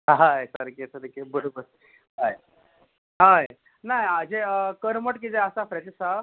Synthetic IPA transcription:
ɦajsəɾkesəɾkebəɽobəɾ | ɦaj | ɦaj | najad͡ʑekəɾməʈkid͡zɛəsafɾɛʈsa

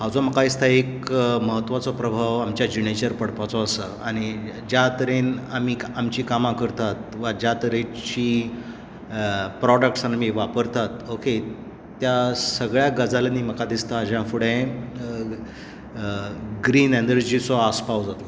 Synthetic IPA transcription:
ɦãwd͡zɔməkaist̪ʰaekməɦət̪ːʋat͡sɔpɾəbʱaʋamt͡ɕjad͡ʑinet͡ɕəɾpəɽpat͡sɔəsə | aɽ̃id͡ʑjat̪əɾenamiːamt͡ɕiːkamãkəɾt̪at̪ʋad͡ʑat̪əɾẽt͡ɕiː | pɾɔɖək̚ʈsanamiʋapəɾt̪at̪oke | t̪jasəɡɭjaɡəd͡zalaniːməkʰad̪ist̪aːd͡ʑãfuɽẽ | ɡɾiːnɛnd̪əɾd͡ʑit͡sɔaspawd͡zat̪ɔ

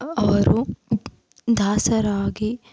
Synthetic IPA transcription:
ɐʋɐɾu | d̪ʱaːsɐɾaːɡi

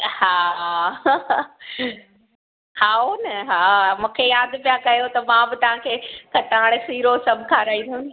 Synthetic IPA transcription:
haː | haːonɐɦaːmũːkʰejaːd̪pijakɐjot̪ɐmãbɪt̪ɐʋ̤ãkʰeːkɐʈaːɪɽ̃siːɾosɐbʱkʰaːɾaːĩd̪ʱũ

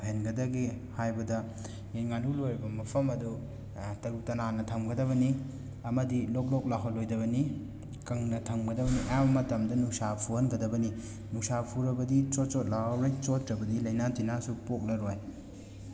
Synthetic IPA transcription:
henɡɐdɐɡihajbɐdɐ | jenŋanulojɾɐbɐmɐpʰɐmɐdu | tɐɾutɐnanɐtʰɐmɡɐdɐβɐni | ɐmɐdilɔk̬̚lɔk̚laɦɐlojdɐβɐni | kɐŋnɐtʰɐmɡɐdɐbɐniʔɐjambɐmɐtɐmdɐnusapʰuhɐnɡɐdɐbɐni | nusapʰuɾɐbɐdit͡ʃot̚t͡ʃot̚lahɐwɾojt͡ʃotɾɐbɐdilɐjnatinasupok̚lɐɾoj

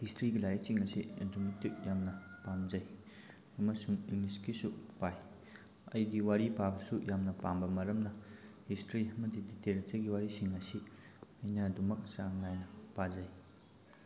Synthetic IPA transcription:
histɾiɡilajɐk̚siŋɐsiɐdumɐtːik̚jamnɐpamd͡ʒɐj | ɐmɐsuŋiŋliskisupaj | ɐ̰jdiwaɾipabɐsujamnɐpambɐmɐɾɐmnɐhistɾiɐmɐdiditeɾetɐɡiwaɾisiŋɐsi | ɐjnɐɐdumɐk̚saŋnajnɐpazɐj

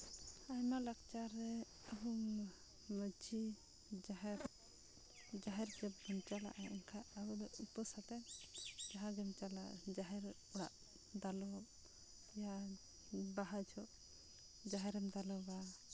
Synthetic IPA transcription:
ajmalakt͡ʃaɾɛ | əɦu | məd͡ʒi | d͡ʒaɦɛɾ | d͡ʒaɦɛɾd͡ʒɛbənt͡ʃala̰ʔaɛnkʰaabɔd̪ɔupəsat̪ɛd͡ʒaɦaɡɛmt͡ʃalad͡ʒaɦɛɾ | ɔɽa̰ʔ | d̪alɔ | ja | baɦad͡ʒʰɔʔ | d͡ʒaɦɛɾɛmd̪alɔba

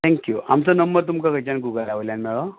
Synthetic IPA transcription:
t̪ʰɛ̃ŋkjua̰mt͡sɔnəmbəɾt̪̬umkakəjt͡ɕanɡuɡəlaʋəljanmɛɭo

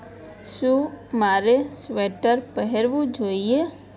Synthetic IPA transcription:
sumaːɾesʋeːʈəɾpəɦɛɾʋud͡ʒoːije

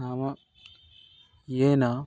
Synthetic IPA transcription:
aːmɐ | jena

